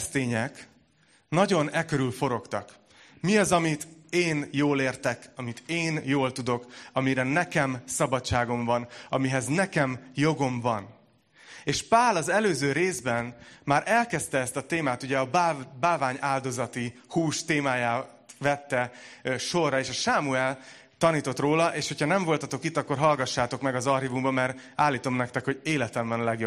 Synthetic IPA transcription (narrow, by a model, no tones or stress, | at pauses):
st̪eːɲɛk | nɒɟo̞nɛkøɾylfo̞ɾo̞kt̪ɒ̰k | miɒzɒmit̪eːnjoːleːrt̪ɛkɒmit̪eːnjoːlt̪ud̪o̞kɒmiɾɛnɛkɛmsɒbɒtt͡ʃːaːɡo̞ɱvɒnɒmiɦɛznɛkɛmjo̞ɡo̞ɱvɒn | eːʃpaːlɒzɛløːzøːɾeːzbɛnmaːɾʔɛlkɛst̪ɛɛst̪ɒt̪eːmaːt̪uɟɛɒbabaːlvaːɲaːld̪o̞zɒt̪ihuːʃt̪eːmaːjaːt̪vɛt̪ːɛʃo̞rːɒeːʃɒʃaːmuɛl | t̪ɒniːt̪o̞t̪roːlɒʔeːʃho̞cʰhɒnɛɱvo̞lt̪ɒt̪o̞kit̪ːɒkːorɦɒlɡɒʃːaːt̪o̞kmɛɡɒzɒrhivumbɒmɛɾ | aːlːiːt̪o̞mnɛkt̪ɛkho̞ɟeːlɛt̪ɛɱvɒnlɛɡjo